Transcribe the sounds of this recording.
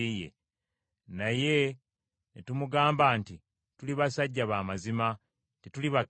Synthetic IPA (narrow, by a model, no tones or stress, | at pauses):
ijḛ | naje̞ | netumuɡaːmbanti | tuliβasaɟːaβaːmazima | tetuliβa